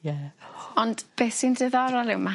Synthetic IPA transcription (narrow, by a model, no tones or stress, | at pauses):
jɛɔnd̥b̥eθindɪðɔɾɔlˠɪwma